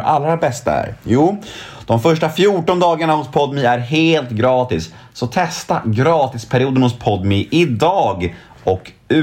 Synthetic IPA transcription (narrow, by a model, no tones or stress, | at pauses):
ʔalːɾabɛst̪a̰æ̰ɾjuːd̪̥ɔmfœʂʈafjuːʈɔnd̪ɑːɡaɳahʊspʰɔd̪mɪæɾɦeːlt̪ɡɾɑːt̪ɪsː | ɔt̪ʰɛst̪aɡɾɑːt̪ɪspʰæɾɪjuːd̪ənhʊspʰɔd̪mɪʔɪd̪ɑːɡ | ɔk | ʉ̟